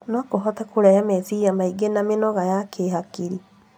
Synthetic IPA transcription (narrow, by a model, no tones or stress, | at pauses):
nɔkoɦɔtɛkoɾɛjamɛsijamaiɡenamenɔɣajakʰeɦakiɾi